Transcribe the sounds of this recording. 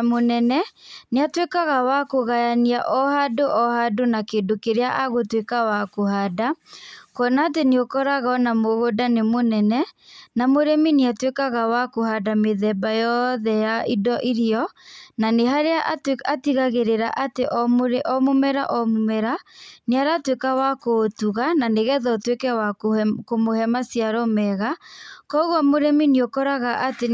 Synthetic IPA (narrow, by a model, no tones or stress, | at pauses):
monɛnɛneatwekaɣawakoɣajaniaʔɔhadoʔɔhadonakeːdokeɾeaʔaɣotwekawakohadakɔnaːt̬eneokɔɾaɣaɔnamoɣodanemonɛnɛnamoɾemineatwekaɣawakohadameðɛbajɔðɛjaidɔʔiɾiɔnanehaɾeaʔatiɣaɣeɾeɾaʔateʔɔmɾʔɔmomɛɾa̰ʔɔmomɛɾaneaɾatwekawakoːtuɣananeɣɛðɔtwekɛwakkomohɛmasiaɾɔmɛɣakɔɣwamoɾɛmineokɔɾaɣaʔate